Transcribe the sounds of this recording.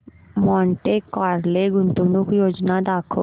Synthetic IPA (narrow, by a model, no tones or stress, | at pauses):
mɔ̃ːɳʈekaːɾleɡʊnt̪unʊkjoːd͡ʒnad̪aːkʰo̰